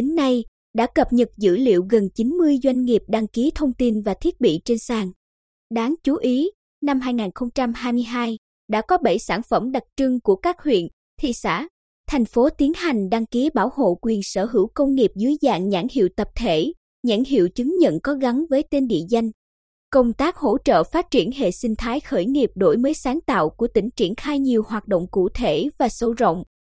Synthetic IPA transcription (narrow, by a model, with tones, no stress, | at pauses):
ɗe˨˦nːa˧j | ɗa̰ː˧˥kə˨˩p̚ɲə˨˩t̚zɨ̰˧˥lḭ˧˨əwɣə˨˩nt͡ɕi˨˦nmɨ˧əjzwa˧jŋ̟ŋi˨˩əp̚ɗa˧ŋki˨˦t̪ʰə˧wŋ͡mt̪i˧nvaː˨˩t̪ʰi˦˥ət̚ɓḭ˧˨t͡ɕe˧nsaː˧˩ŋ | ɗaː˨˦ŋt͡ɕu˨˦ʔi˨˦ | na˧mɦaː˧jŋaː˨˩nxə˧wŋ͡mt͡ɕa˧mhaː˧jmɨ˧əjɦaː˧j | ɗa̰ː˧˥kɔ˨˦ɓə̰˧˩jsaː˧˩nfə˧˩mɗa˨˩t̚t͡ɕɨ˧ŋku˧˩əkaː˦˥k̚hwḭ˧˨ən | t̪ʰḭ˧˨sa̰ː˧˥ | t̪ʰa˨˩jŋ̟fo˨˦t̪i˨˦ənha˨˩jŋ̟ɗa˧ŋki˨˦ɓaː˧˩who̰˧˨kwi˨˩ənsəː˧˩ɦɨ˧˩wkə˧wŋ͡mŋi˨˩əp̚zɨ˨˦jza̰ː˧˨ŋɲa̰ː˧˩ŋhḭ˧˨əwt̪ə˨˩p̚t̪ʰe˧˩ | ɲa̰ː˧˥˩ŋɦḭ˧˨əwt͡ɕɨ˨˦ŋɲə̰˧˨nkɔ˨˦ɣa˨˦ŋvəː˨˦jt̪e˧nɗḭ˧˨əza˧jŋ̟ | kə˧wŋ͡mt̪aː˦˥k̚ho̰˧˥t͡ɕə̰ː˧˨faː˦˥t̚t͡ɕi˧˩ənhḛ˧˨sï˧ŋ̟t̪ʰaː˨˦jxəː˧˩jŋi˨˩əp̚ɗo˧˩jməː˨˦jsaː˨˦ŋt̪a̰ː˧˨wku˧˩ət̪ï˧˩ŋ̟t͡ɕi˧˩ənxaː˧jɲi˨˩əwhwaː˨˩t̚ɗo̰˧˨wŋ͡mkṵ˧˩t̪ʰe˧˩vaː˨˩so˧˦zə̰˧˨wŋ͡m